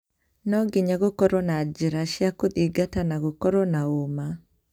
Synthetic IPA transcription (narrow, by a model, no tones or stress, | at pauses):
nɔɡiɲaɡokɔɾɔnad͡ʒiɾaʃjakoðiɡatanaɡokɔɾɔnaoma